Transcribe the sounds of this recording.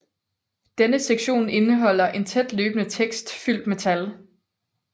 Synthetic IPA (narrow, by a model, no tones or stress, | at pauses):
d̥enəseɡ̥ɕo̝̰ːne̝nəɦɒ̽l̰ɐʔe̝nt͡sʰed̥løːb̥ənət͡sʰeɡ̥sd̥fyl̰d̥me̝t͡sʰæl